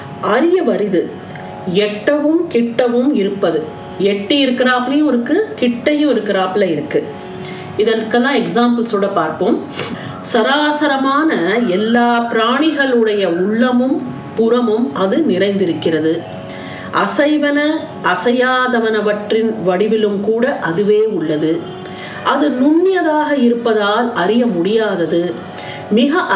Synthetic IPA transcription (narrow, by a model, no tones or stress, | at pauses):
ʔɐɾɪjɐʋɐɾɪðɯ | ɛʈːɐʋɯmkɪʈːɐʋɯmɪɾɯpːɐðɯ | ɛʈːijɪɾɯkːɪɾaːpɪlijɔɾɯkːɯkɪʈːɐjɯ̃ɔɾɯkːɪɾaːpɪlɐɪɾɯkːɯ | ɪðɐnkɐlːãːɛksaːmpɐlsoːɽɐpaːɾpoːm | sɐɾaːsɐɾɐmaːnɐɛlːaːpɪɾaːɳɪɣɐɭɯɽɐjɐʊɭːɐmɯm | pʊɾɐmɯmʔɐðɯnɪɾɐɪnd̪ɪɾɯkːɪrɐðɯ | ʔɐsɐɪʋɐnɐ | ʔɐsɐjaːðɐʋɐnɐʋɐʈrɪnʋɐɽɪʋɪlɯmkuːɽɐʔɐðɯʋeːʊɭːɐðɯ | ʔɐðɯnʊɳːɪjɐðaːɣɐɪɾɯpːɐðaːlɐɾɪjɐmʊɽɪjaːðɐðɯ | mɪɣɐ